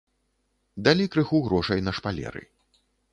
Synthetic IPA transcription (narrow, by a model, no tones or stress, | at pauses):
d̪alʲikɾɨxuɣɾɔʂɐjnɐʂpalʲɛ̰ɾɨ̰